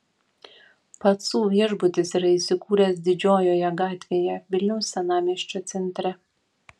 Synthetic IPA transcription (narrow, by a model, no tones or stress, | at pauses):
pɐt̪suːʋʲiɛʒbʊt̪ʲɪsiɾɐiːˑsʲɪkuːɾʲɛːs̬d̪ʲɪd͡ʒʲoːjoːjɛɡɑːt̪ʲʋʲeːjɛʋʲɪlʲnʲɛʊsːʲɛnɑːmʲiɛʃʲt͡ʃʲoːt̪sʲɛnʲt̪ʲɾʲɛ